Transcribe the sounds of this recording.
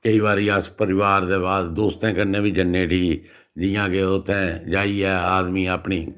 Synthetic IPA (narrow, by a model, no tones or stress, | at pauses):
kəiːbaːɾiːəspəɾɪʋaːɾd̪eːbaːd̪d̪oːst̪ẽːkəɾnẽːbiːd͡ʒənːeːʈiː | d͡ʒɪjãːkeʊt̪ʰːẽːd͡ʒaːiːɛːaːd̪miːaːpɳiː